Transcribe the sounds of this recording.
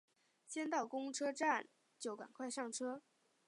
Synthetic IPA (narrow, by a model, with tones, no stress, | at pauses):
t͡ɕjɛ˥nt̪ɑ˥˩ʊkʊ˥ŋʈ͡ʂʰɤ˥ʈ͡ʂa˥˩n | t͡ɕjo˥˩ʊka̰˨˩nkʰwa˥˧ɪʂɑ˥˩ŋʈ͡ʂʰɤ˥